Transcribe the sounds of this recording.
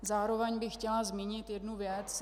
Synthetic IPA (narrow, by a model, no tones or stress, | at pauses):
zaːɾo̞vɛɲbɪxcɛlazmiɲɪt̪jɛdnuvjɛt͡s